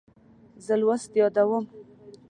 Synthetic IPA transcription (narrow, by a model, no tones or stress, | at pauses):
zəlwast̪jɑd̪awəm